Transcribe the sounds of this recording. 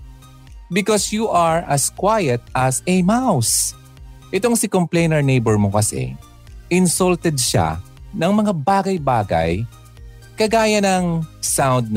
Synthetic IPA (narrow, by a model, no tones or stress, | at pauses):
bɪkɔsjuʔaɹɐskwajɐt̪̚ɐsɛmaws | ʔɛt̪oŋsɪkomplɛjnɛɹnejbɛɹmokɐsɛ̰ | ʔɪnsɔlt̪ɛd̪̚ʃa̰ | nɐŋmɐŋabaːɡɐjbaːɡɐ̰j | kɐɡaːjɐnɐŋsawnd̪̚n